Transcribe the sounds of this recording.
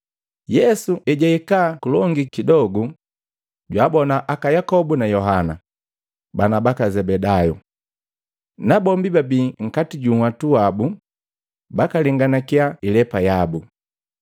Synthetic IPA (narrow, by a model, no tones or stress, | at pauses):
jɛsuʔɛɟaikaːkulɔŋɡikidɔɡu | ɟwaːbɔnaʔakajakɔbunajɔɦana̰ | banabakazɛbɛdaju | nabɔmbibabiːŋ̩katiɟuŋwatuabu | bakaliŋɡanakiailɛpajabu